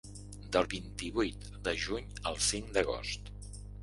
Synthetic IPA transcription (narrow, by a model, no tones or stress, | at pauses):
d̪əlˠβint̪iβujt̪ | d̪əʒuɲəlˠsiŋd̪əɣ̞o̰st̪